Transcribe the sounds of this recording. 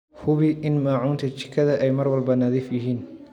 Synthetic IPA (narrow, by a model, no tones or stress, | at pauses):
hʊβɪʔɪnmaːʕuːnt̪ʰɐt͡ʃɪ̥kʰɐðɐʔɛjmɐrwɐlbɐnɐðiːfjɪɦiːn